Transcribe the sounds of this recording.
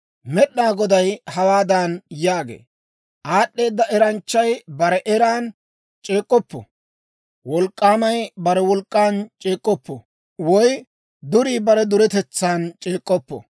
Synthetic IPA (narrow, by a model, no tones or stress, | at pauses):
mɛɗːaːɡɔd̪ɐjhɐwaːd̪anjaːɡḛː | ʔaːɗːe̞ːd̪ːɐʔɛɾɐnt͡ʃːɐjbɐɾɛʔɛɾaːn | t͡ʃʼe̞ːkʼːɔpːɔ̰ | wɔlkʼːaːmɐjbɐɾɛwɔlkʼːaːnt͡ʃʼeːkʼːɔpːɔ̰ | wɔj | d̪ʊɾiːbɐɾɛd̪ʊɾɛt̪ɛt͡sːaːnt͡ʃʼeːkʼːɔpːɔ̰